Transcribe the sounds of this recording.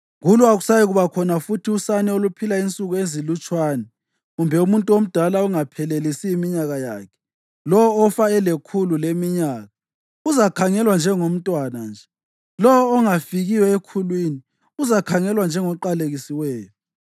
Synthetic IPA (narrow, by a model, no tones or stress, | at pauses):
ɣuluaɣusajiɣuβakʰɔnafutʰiusanɛolupʰilaint͡sʼuɣuezilut͡ʃʼwaːnɛ | ɣumbʱɛumuntʼuom̩d̥ʱalauŋapʰɛlelisiimiɲaɣaja̰ːkʰɛ̥ | lɔwɔːfaɛlekʰululemiɲaːɣa | uzakʰaŋɛlwand͡ʒʱɛŋom̩tʼwanand͡ʒʱɛ | lɔwɔːŋafiɣiwɛekʰulwiːni | uzakʰaŋɛlwand͡ʒʱɛŋɔǃaleɣisiwɛːjɔ